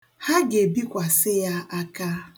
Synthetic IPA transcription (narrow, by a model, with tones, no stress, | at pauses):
ha˦ɡe˨bi˦kʷa˨sɪ˦ja˦a˦ka˦